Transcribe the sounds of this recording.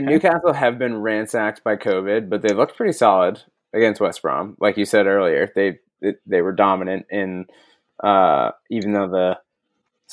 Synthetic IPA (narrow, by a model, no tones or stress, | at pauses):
nnʉkʰæsl̩ˠɨvbɨ̃nɹæ̃nsæk̚s̚b̥aɪkʰoʊvɪd̚bʌt̪̚ðeɪlʊk̚pʰɹ̥ɪɾisɑlˠəɾ | ɨɡɛ̃nst̚wɛsb̥ɹɑ̰̃mlʔaɪkjɨsɛɾɜ˞lˠiə˞ðeɪ | ðɨðeɪwə˞dɑmɨnɨ̃ntɪ̃n | ʔʌ̰ivɨ̃n̩ðoʊðə